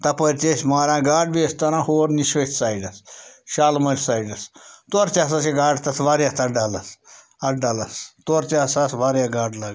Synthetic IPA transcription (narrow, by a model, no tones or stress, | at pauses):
t̪ɐpəɾʲt͡ʃesʲmaːɾãːɡaːɖbiɐsʲt̪ɐɾãːhoːɾniʃət̪ʲsaːiɖɐsʃaːlmɐɾʲsaːiɖɐst̪oɾt͡ʃʲaːsaseɡaːɖt̪ɐsʋaːɾjaːt̪ɐɖaːlɐs | ɐɖalɐst̪oɾt͡ʃaːsasʋaːɾjaːɡaːɖlaːɡ